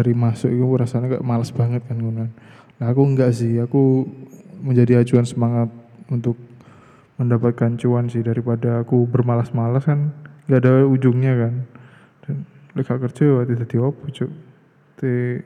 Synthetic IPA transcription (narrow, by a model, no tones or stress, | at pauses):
daɾimasʊʔikuɾasaɲaŋɡa̰ʔmalasbaŋət̪̚kanɡunan | laakuŋɡaʔs̬ɪhaku | məɲd͡ʒadiat͡ʃuansəmaŋat̪̚unt̪ʊk̚ | məndapat̪̚kant͡ʃuansɪhdaɾipadaːkubərmalasmalaskanŋɡaadaud͡ʒʊŋɲakan | d̥an | lekaʔkərt͡ʃəat̪idad̪iopɔt͡ʃʊʔ | t̪e